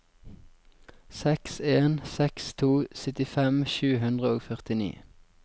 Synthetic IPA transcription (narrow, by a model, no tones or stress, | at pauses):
sɛkseːnsɛkst̪ʰuːsœt̪ɪfɛmʃʉːhʉnd̪ʁəoːɡfœʁt̪ɪnḭː